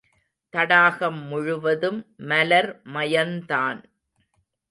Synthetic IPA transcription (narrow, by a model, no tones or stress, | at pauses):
t̪ɐɽaːɣɐmːʊɻʊʋɐðɯmːɐlɐɾmɐjɐnt̪aːn